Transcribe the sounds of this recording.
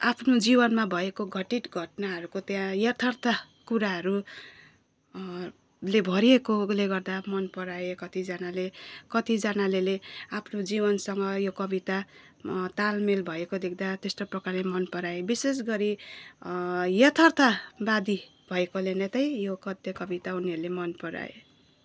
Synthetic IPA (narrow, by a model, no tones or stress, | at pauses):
apʰnod͡zibʌnmabʱʌekoɡʱʌʈiʈɡʱʌʈnaɦʌɾukot̪jãjʌt̪ʰʌrt̪ʰa | kuɾaɦʌɾu | lebʱʌɾiekoleɡʌrd̪amʌnpʌɾaekʌt̪id͡zanalekʌt̪id͡zanaleleapʰnod͡zibʌnsʌŋɡʌjokʌbit̪a | t̪almelbʱʌekod̪ekʰd̪at̪est̪oprʌkarlemʌnpʌɾaebisesɡʌɾi | jʌt̪ʰʌrt̪ʰabad̪i | b̥ʱʌekolenet̪ʌjjokʌt̪jʌkʌbit̪auniɦʌɾulemʌnpʌɾa̰ḛ